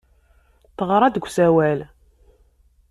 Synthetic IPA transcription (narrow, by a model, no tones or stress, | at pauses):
θəʁɾˤɑd̪əɡʷsæwæl